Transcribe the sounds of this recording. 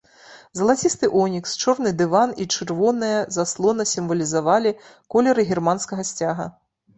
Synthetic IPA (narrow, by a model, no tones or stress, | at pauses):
zɐlˠat͡sʲist̪ɨʔɔnʲikst͡ʂɔrnɨd̪ɨvanit͡ʂɨrvɔnɨjɐzaslˠɔnɐsʲimvɐlʲizavalʲi | kɔlʲɛɾɨɣʲirmanskɐɣɐsʲt͡sʲaɣɐ̰